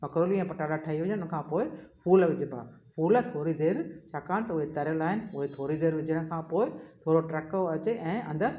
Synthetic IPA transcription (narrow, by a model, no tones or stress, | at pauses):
mɐkɾoːliɛ̃ːpɐʈaːɽaʈʰaːɦiʋɐɲə̃nɪʊnə̆kʰãːpoːɪfuːlʋɪd͡ʑɪbʱa̰ːfuːlt̪ʰoːɾid̪eːɾt͡ɕʰaːkaːɽ̃t̪ɐʊɦet̪ɐɾjəlaːɦɪnɪ̆ʊɦet̪ʰoːɾid̪eːɾʋɪd͡ʑəɽ̃kʰãːpoːɪt̪ʰoːɾoʈɾɛkoɐt͡ɕeʔɛ̃ːʔɐ̰̃nd̪əɾ